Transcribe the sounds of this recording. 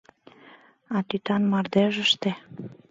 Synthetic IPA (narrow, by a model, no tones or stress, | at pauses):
ɑt̪yt̪ɑnmɑrd̪eʒəʃt̪e